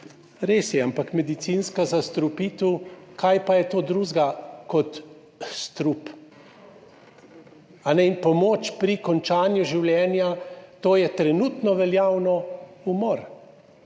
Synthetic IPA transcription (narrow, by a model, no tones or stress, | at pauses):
ɾeːsjɛampakmɛd̪it̪sinskazast̪ɾupiːt̪ukʰajpajɛt̪oːd̪ɾuːzɡakɔt̪ | st̪ɾup | anɛinpɔmoːt͡ʃpɾikɔnt͡ʃaːnjuʒiwljɛːnjat̪oːjɛt̪ɾɛnut̪nɔʋɛljaːwnɔumɔɾ